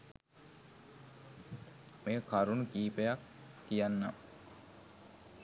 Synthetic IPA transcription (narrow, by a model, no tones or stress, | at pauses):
mekaɾunukiːpejakːijanːa̰